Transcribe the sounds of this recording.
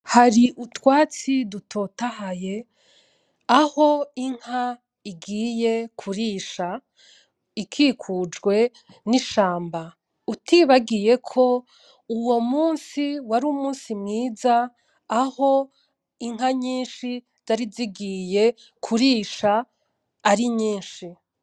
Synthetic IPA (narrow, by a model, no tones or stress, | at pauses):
haɾiʔutwaːt͡sidutʰo̞ːtahaje̞ | aho̞iŋ̥ha | iɡiːje̞kʰuɾiːʃa | ikʰiːkʰud͡ʒɡwe̞ | niʃaːmba | utʰiβaɡije̞kʰo̞ | uwo̞muːnsiwaɾuːmuːnsimŋiːzaː | ho̞ | iŋ̥ɦaɲiːnʃi | z̥aɾiziɡiːje̞ | kʰuɾiːʃaː | ɾiɲiːnʃi